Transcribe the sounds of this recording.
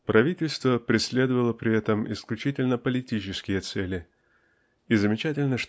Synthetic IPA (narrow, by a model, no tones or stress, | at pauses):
pɾɐvʲitʲɪlʲst̪vəpɾʲɪsʲlʲe̞d̪əvəlˠəpɾʲɪɛt̪əmɪ̰sklʲʉt͡ɕitʲɪlʲnəpəlʲɪtʲit͡ɕɪskʲɪjət̪sɛlʲɪ | izəmʲɪt͡ɕætʲɪlʲnəʂ